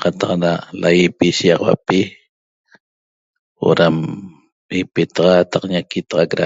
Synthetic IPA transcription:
qɑt̪ɑqnalajipiʃijɑʁɑwa̰pi | o̰ɾam | ipet̪ɑʁɑt̪ɑqɲakit̪ɑʁɑkɾa̰

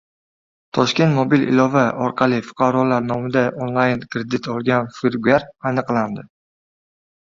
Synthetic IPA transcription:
t̪ʰɒʃkʲe̞nt̪mobilʔɪ̰lɒvaʔɒɾqʰɑlɪfʊ̥qʰɑɾɒlaɾnɒmɪd̪aʔonlˠajnkɾed̪ɪt̪ɒlˠɡʲanfɪɾɡʲaɾanɨqlˠand̪ɪ

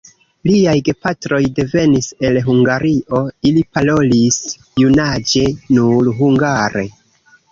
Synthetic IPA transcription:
liajɡe̞patɾo̞jde̞ve̞nise̞lɦuŋɡaɾiʔo̞ilipalo̞lis | junad͡ʒe̞nuɾɦuŋɡaɾe

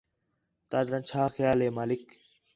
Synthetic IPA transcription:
t̪aːd̪ɾãːnt͡ʃʰaːxəjaːlɦeːmaːlɪk

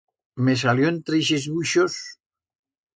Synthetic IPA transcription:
mes̬aljoent̪ɾeʃezβuʃos

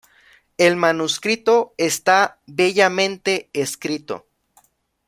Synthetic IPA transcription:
e̞lmanuskɾit̪o̞est̪aβe̞ʝamẽ̞nt̪e̞eskɾit̪o̞̰

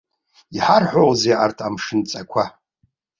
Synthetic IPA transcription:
iħarħʷowzejʔartʰamʂɨnt͡sʼakʷʰa

